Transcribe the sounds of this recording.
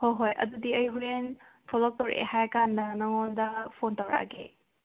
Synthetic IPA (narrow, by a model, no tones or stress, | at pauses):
hojɦojʔɐ̰dudiɐjɦuɾen | pʰɔlɔk̚towɾḛhajkandɐnɐŋondɐpʰontɐwɾa̰ɡḛ